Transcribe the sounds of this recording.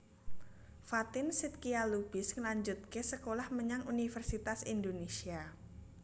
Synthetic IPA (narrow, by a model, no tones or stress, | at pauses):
fat̪ɪnsɪt̪̚kialub̥ɪsŋəlaɲd͡ʒut̪̚kesəkolahməɲaŋunifərsit̪asindonesia